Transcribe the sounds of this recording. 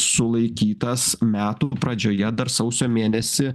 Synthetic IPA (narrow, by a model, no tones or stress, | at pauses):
sʊlˠɐɪkʲiːt̪ɐsmʲæːt̪upɾɐd͡ʒʲoːjɛd̪ɐɾsɐʊsʲoːmʲeːnʲɛsʲɪ